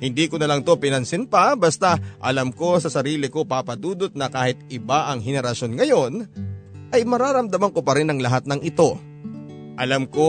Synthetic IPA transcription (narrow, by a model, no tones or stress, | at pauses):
hɪnd̪iːkonɐlɐŋt̪opɪnɐnsɪnpɐbɐst̪aʔɐlɐmko̞sɐsɐɾiːlɪko̞paːpɐd̪uːd̪ot̪̚nɐkaːhɪt̪̚ɪbaʔɐŋɦɛnɛɾɐʃo̞nŋɐjo̞n | ʔɐjmɐɾaːɾɐmd̪ɐmɐŋkopɐɾɪnɐŋlɐɦat̪̚nɐŋʔɪt̪o̞ | ʔɐlamko̞